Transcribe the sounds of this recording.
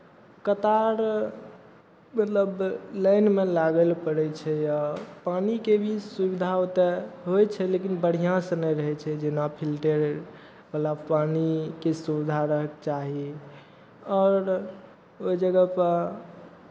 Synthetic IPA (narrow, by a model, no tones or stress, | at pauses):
kət̪aɾ | mət̪ləbləjnmelaɡəlpəɽɛt͡ʃʰɛjapanikebʱisubid̪ʱaot̪ɛɦojt͡ʃʰɛlekinbəɽ̤ijãsə̃nəjɾəɦɛt͡ʃʰɛd͡ʒenapʰilʈeɾ | bəlapanikesuβid̪ʱaɾəɦəkt͡ʃaɦi | ɔːɾ | oid͡ʒəɡəpə